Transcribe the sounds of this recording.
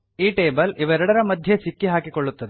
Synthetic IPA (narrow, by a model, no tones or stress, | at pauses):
iːʈeːbɐliʋɛɾɐɽɐɾɐmɐd̪ʱjɐsikːiɦaːkikoɭːut̪ːɐd̪e